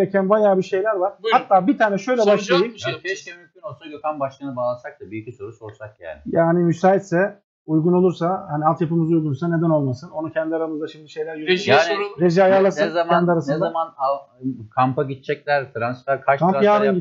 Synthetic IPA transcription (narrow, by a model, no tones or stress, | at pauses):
ɾecʰænbajaːbiʃe̞jlʲæɾvaɾ̥at̪ːaːbit̪ʰaːnɛʃø̞jlʲɛbaʃlˠajɯmʰɛʃɛmymcʰʲynosojokʰanbaʃk̪anɯbaːlˠasak̚t̪abyjycʰiso̞ɾut͡ʃo̞lˠsak̚jæ̰ljaːnimysaːit̪sɛ | ujɡuno̞lˠuɾsahanialt̪japɯmɯzujɡunsane̞d̪ænolˠmasɯno̞nucʰɛnd̪iaɾamɯzd̪aʃimd̪iʃejlʲæɾjøɾʒaːnɾeʒiajaɾlˠasɯnezamɛnd̪iaɾasnɯnezamanakʰampaɟit̪̚t͡ʃʰɛclʲæɾt̪ʰɾansˠaɾkʰaʃkʰamjaːɾɯni